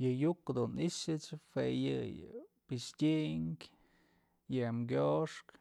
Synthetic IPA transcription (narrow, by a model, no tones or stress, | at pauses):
jɨjukd̪uniʂɨt͡ʃfejɨ̰pɨʂtʲiʔŋkʲ | jɨmɡʲoʂk